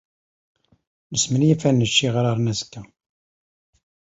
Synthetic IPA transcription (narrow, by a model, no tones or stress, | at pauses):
nəsmənjifænːəʃːiʁɾaɾˤnæzkːæ